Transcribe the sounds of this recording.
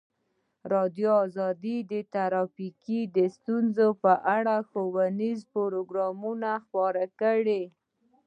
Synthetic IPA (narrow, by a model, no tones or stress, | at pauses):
ɾɑd̪joɑzɑd̪id̪ət̪aɾɑfikid̪əst̪unzopəʔaɽaxowanizpoɾoɡɾɑmunaxpɑɾakəɽe